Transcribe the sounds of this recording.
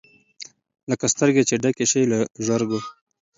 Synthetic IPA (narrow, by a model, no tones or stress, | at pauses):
ləkast̪əɾɡet͡ʃeɖakeʃejlaʒaɾɡo